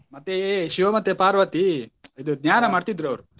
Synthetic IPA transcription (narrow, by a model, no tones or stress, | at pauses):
mɐt̪ːeʃiʋɐmɐt̪ːepaːɾʋɐt̪iid̪ud̪njaːnɐmaːɖt̪id̪ːɾuɐʋɾu